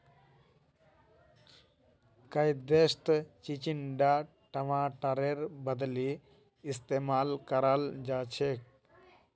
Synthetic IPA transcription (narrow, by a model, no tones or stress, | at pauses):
kɐjd̪est̪t͡ʃit͡ʃiɳɖaː | ʈɐʋãːʈɐɾeɾbɐd̪liː | st̪eːmaːlkɐɾald͡ʒaːt͡ʃʰek